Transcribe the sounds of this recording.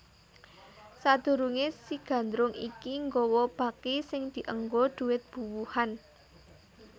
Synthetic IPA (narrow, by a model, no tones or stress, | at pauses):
sad̪̥ṳɾuŋesiɡ̥ä̤nd̪ɾʊŋikiŋɡowɔb̥ä̤kisɪŋd̪̥i̤ʔəŋɡod̪̥ṳwɪt̪̚b̥ṳwuhan